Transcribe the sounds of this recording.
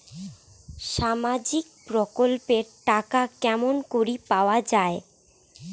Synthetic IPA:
ʃamad͡ʑikpɾokolpeɾʈakakɛmonkoɾipaoad͡ʑae

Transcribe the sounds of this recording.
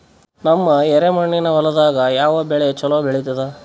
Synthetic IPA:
nɐmːɐɛɾemɐɳːinɐʋɐlɐd̪aːɡɐjaːʋɐbɛɭejt͡ʃɐlobɛɭit̪ɐd̪ɐ

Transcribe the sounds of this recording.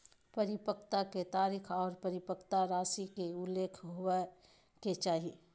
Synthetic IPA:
pɐɾɪpəkt̪aket̪aːɾiːkʰɔːɾpɐɾɪpəkt̪aɾaːsikeʊlːeːkʰɦowe | ket͡ʃaːɦie

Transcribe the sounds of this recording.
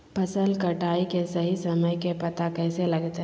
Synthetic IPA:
pʰɐsəlkɐʈaːikesɐɦisɐməjkepɐt̪akɛːselɐɡt̪ɦ

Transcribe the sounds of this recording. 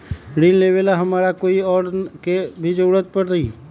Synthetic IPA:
ɽinleːʋelaɦɐmaːɾakoːiɔːɾkebʱid͡ʒəɽət̪̚pəɽɾəi

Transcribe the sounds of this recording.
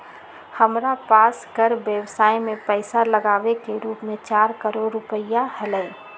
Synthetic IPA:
həmɾapaːskəɾʋjəʋsaːimẽpɛɪsaləɡaːʋekeɾuːpmẽt͡ʃaːɾkəɾoːɾːʊpəɪjahəlɛː

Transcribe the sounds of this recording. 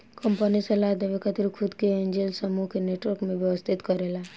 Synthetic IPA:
kɐmpənisɐlad̪ɐʋikət̪ɾikʰʊd̪keẽːɲd͡ʒelsɐmukeneːʈwəɾkmẽʋjɛʋəst̪ʰɪt̪kɐɾela

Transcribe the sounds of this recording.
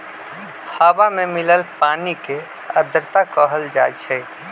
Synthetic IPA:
haːbamẽmɪləlpaːnike | əd̪əɾt̪akɔːɦəld͡ʒa̰ːt͡ʃʰɛ

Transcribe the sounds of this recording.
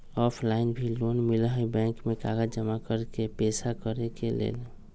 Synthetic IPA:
ɔpʰlaɪnbʱilonmilɦəjbɛ̃ŋkmekaɡəd͡ʒəmakəɾkepesakəɾekelḛːl

